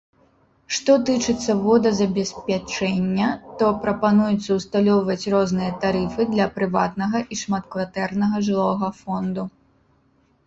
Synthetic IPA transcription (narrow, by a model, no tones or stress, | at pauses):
ʂt̪ɔt̪ɨt͡ʂɨt̪sːɐvɔd̪ɐzɐbʲɛspʲat͡ʂɛnʲːɐt̪ɔpɾɐpanujut̪sːɐwst̪alʲɔwvɐt͡sʲrɔznɨjɐt̪aɾɨfɨd̪lʲɐpɾɨvat̪nɐɣɐʔiʂmat̪kvat̪ɛrnɐɣɐʐɨlˠɔɣɐfɔnd̪u